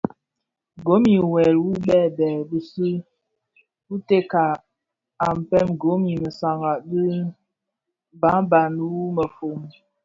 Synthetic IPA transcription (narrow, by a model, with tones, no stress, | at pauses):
ɡo˨˦mi˨wɛ˨lwu˦bɛ˦˨bɛ˨bə˦si˦ | wu˦te˦ka˨ | a˨m˨pɛ˦mɡo˨˦mi˨mə˨sa˨ŋɡa˨ʔdi˦ | ba˨˦ba˨n˦wu˦mə˨fo˨m